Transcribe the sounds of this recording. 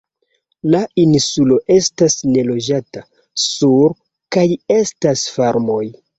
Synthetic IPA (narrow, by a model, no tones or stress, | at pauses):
lainsulo̞ʔe̞stasne̞lo̞d͡ʒata | suɾ | kaje̞stasfaɾmo̞j